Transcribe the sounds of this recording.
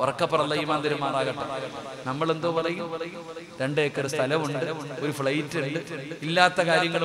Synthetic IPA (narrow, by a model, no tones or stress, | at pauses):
orɐkːɐpːɐrɐlːɐjimaːnd̪ɐɾɐmːaːraːɣɐʈːɐ | nɐmːɐɭe̞nd̪oʋɐrɐjumɐj | ɾe̞ɳɖeːkːɐɾɨst̪ʰɐlɐmuɳɖɨoɾufɭɐjtːuɳɖɨilːaːt̪ːɐkaːɾjɐŋːɐɭ